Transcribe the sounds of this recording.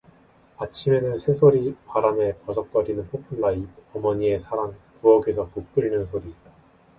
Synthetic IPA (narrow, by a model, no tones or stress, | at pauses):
at͡ɕʰime̞nɯnsʰe̞sʰoɾipaɾame̞kʌd͡ʑʰʌk̚k͈ʌɾinɯnpʰopʰɯɭːaib̚ʌmʌɲie̞sʰaɾaŋpuʌɡe̞sʰʌkuk̚k͈ɯɾinɯnsʰoɾiːt̚t͈a